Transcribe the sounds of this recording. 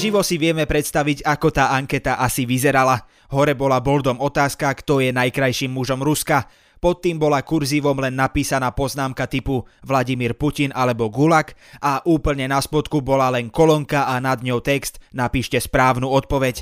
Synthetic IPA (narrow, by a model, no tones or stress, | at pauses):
ʒiʋɔsiʋɪɛmɛpɾɛt̪st̪aʋiɟakɔt̪aːʔaŋkɛt̪aʔasiʋizɛɾala | ɦɔɾɛbɔlabɔld̪ɔmɔt̪aːskakt̪ɔjɛnajkɾajʃiːmːuʒɔmɾuska | pɔt̪ːiːmbɔlakuɾziːʋɔmlɛnːapiːsanaːpɔznaːmkat̪ipuʋlaɟimiːɾpucinalɛbɔɡulak | aʔuːpl̩ɲɛnaspɔt̪kubɔlalɛnkɔlɔŋkaʔanad̪ɲɔʊt̪ɛkst̪napiːʃcɛspɾaːʊnuːɔt̪̚pɔʋɛc